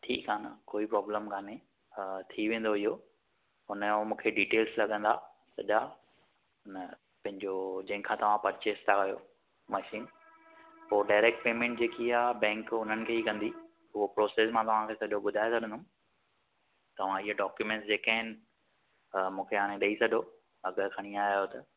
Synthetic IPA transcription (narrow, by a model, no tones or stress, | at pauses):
ʈʰḭːkaːnə̰koːipɾɔːbləmkaːne | t̪ʰiʋẽːn̆d̪oɪɦo | ɦʊnəomũːkʰeɖiːʈeːlzlɐɠə̃nd̪aː | sɐ̰ʄa | nə | pɐ̃ɦɪ̃ɲd͡ʑod͡ʑɐ̃ɦɪ̃ŋkʰãt̪ɐʋ̤ãpɐɾt͡ɕest̪akɐjo̰ | mɐʃiːn | poːɖaːɪɾeːk̚ʈ̚peːmẽːɳʈd͡ʑeːkiaːbɛ̃ːŋkʊn̤ənɪ̆kʰeːɦikɐ̃nd̪i | ɦʊɦopɾoːseːsmãt̪ɐʋ̤ãkʰeːsɐʄʱoɓʊd̪ʱaːesɐɗ̤ʱə̃nd̪ʊ̃ | t̪ɐʋ̤ãɪɦoɖɔːkjumɛ̃ɳʈs̬d͡ʑeːkaɦɪnɪ̆ | mũːkʰeaːɽ̃ẽɗɐisɐdʱo | ɐɡəɾkʰɐɽ̃iaːjot̪ɐ